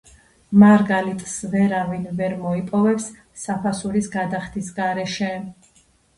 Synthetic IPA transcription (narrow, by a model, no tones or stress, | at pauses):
maɾɡalit̪ʼsvɛɾavinvɛɾmɔipʼɔvɛpsː | apʰasuɾisɡad̪aχt̪ʰisɡaɾɛʃɛ